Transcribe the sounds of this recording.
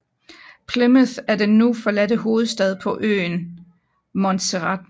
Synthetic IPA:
pʰleməθæɐd̥enːufɒ̽lædəɦo̝ːð̞̩ˠsd̥ɛð̞ˠpʰɒ̽ʔø̰ːn | mɒ̽nt͡sʰeʁɑd̥̚

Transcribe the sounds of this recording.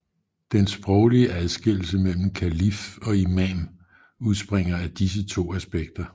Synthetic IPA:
d̥ensb̥ʁɒʊliəʔæðˠsɡ̥e̝l̰l̩səmel̰m̩kʰælifɒ̽imæm | uð̞ˠsb̥ʁeŋ̰ɐæd̥is̬ət͡sʰo̝̰ːæsb̥eɡ̥̚d̥ɐ

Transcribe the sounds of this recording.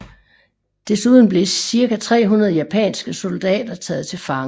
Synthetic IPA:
d̥esuð̞ˠn̩b̥le̝siɐkæt͡sʰʁɛ̰ːɦunɐðˠəjæpʰɛ̰ːnsɡ̥əso̝ld̥ɛ̰ːd̥ɐt͡sʰɛ̰ːð̞̩ˠt͡sʰe̝lfɑ̈ŋ

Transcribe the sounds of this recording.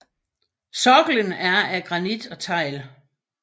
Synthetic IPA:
sɒɡ̥l̩ənæɐæɡ̥ʁɑ̈nid̥ɒ̽t͡sʰɑ̈ɪ̰l

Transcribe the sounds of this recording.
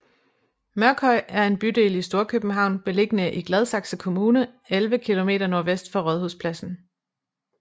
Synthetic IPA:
mɶɐɡ̥ʰɒɪæɐe̝nb̥yd̥e̝̰ːlisd̥o̝ːɐkʰøb̥n̩ɦɑ̈ʊ̰nb̥e̝le̝ɡ̥ənəʔiɡ̥lɛð̞ˠsɑ̈ɡ̥səkʰo̝muːnə | elʋəkʰilo̝me̝̰ːdɐno̝ɐʋesd̥fɒʁœðˠhuðˠspʰlæsn̩

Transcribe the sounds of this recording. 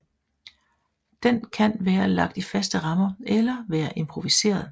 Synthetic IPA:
d̥enkʰænʋæːɐlɑ̈ɡ̥̚d̥ifæsd̥əʁɑ̈mɐelɐʋæːɐʔe̝mpʰʁoʋise̝̰ːɐðˠ

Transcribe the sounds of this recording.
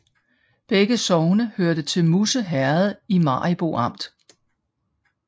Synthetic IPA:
b̥eɡ̥əsɒʊnəhøɐd̥ət͡sʰe̝lmusəɦæɐð̩ˠimɑ̰̈ːib̥o̝̰ɑ̈m̰d̥

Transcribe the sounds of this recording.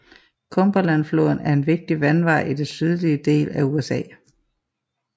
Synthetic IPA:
kʰɔmb̥ɐlænflo̰ðˠn̩æɐe̝nʋe̝ɡ̥̚d̥iʋænʋɑ̈ɪ̰ʔid̥ensyð̞ˠliəd̥e̝̰ːlæuesɛ̰ː

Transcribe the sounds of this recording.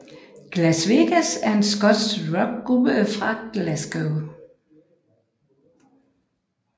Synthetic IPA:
ɡ̥læsʋeɡ̥æsæɐe̝nsɡ̥ɔd̥sʁɒɡ̥̚ʁubəfʁɑ̈ɡ̥læsɡ̥əʊ

